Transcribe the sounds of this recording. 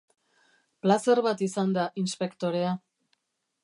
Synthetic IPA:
plase̞rβat̪isand̪aʔinspe̞kt̪o̞ɾe̞a

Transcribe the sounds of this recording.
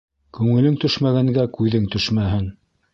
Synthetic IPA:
kʉŋɘ̆lɘŋt̪ɵʃmæɣæŋɡækʉðɘŋt̪ɵʃmæɦɘŋ

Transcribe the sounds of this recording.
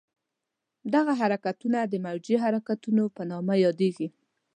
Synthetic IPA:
d̪aɣaɦaɾakat̪unad̪əmawd͡ʒiɦaɾakat̪unopənɑmajɑd̪eɡi

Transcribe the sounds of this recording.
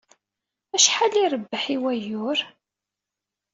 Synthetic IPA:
æʃħaliɾˤəbːəħiwæjʊɾ

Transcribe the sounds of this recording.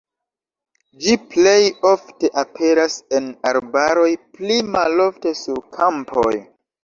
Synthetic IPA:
d͡ʒiple̞jo̞fte̞ʔapʰe̞ɾase̞naɾbaɾo̞jplimalo̞fte̞suɾkʰampʰo̞̰j

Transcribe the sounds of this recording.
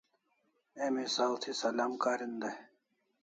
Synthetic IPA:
emisaːlt̪ʰisɐlaːmkaːɾind̪ɐ

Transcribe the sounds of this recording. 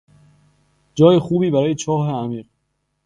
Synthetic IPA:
d͡ʒɒːjexuːbiːbæɾɒːjet͡ʃʰɒːɦeæmiːɢ

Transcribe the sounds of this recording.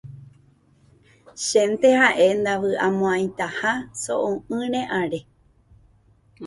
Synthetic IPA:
ʃẽnt̪ehaʔe̞nd̪aʋɨʔamõãj̃t̪ahasoʔõɨ̃ɾ̃ẽʔaɾe̞

